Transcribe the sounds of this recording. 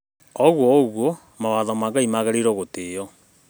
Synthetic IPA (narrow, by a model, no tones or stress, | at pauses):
ɔɣwɔɣwo | mawaðɔmaŋɡaimaɣaɾeɾoɣotejɔ